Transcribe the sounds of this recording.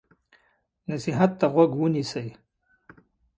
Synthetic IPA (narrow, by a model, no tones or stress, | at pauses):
nasiɦat̪ːaɣwaɡwənisəj